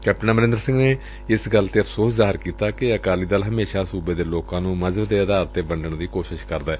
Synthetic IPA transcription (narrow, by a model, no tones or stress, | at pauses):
kɛːp̚ʈənaːməɾɪ̃nd̪əɾsɪ̃ŋɡneː | ɪsɡəlt̪eːəpʰsoːszaːɦɪɾkiːt̪aːkɪəkaːliːd̪əlɦəmeːʃaːsuːbeːd̪eːloːkãːnũːməzəbd̪eːəd̪aːɾt̪ːeːbəɳɖəɳd̪iːkoːʃɪʃkəɾd̪aː